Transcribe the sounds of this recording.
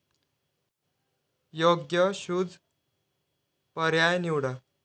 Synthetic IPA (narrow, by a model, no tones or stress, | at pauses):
joɡjəɕud͡z | pəɾjajniwɽa